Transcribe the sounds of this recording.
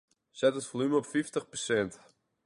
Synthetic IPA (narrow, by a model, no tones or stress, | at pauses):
sɛtətfolyməɔpfiftəχpərsɛnt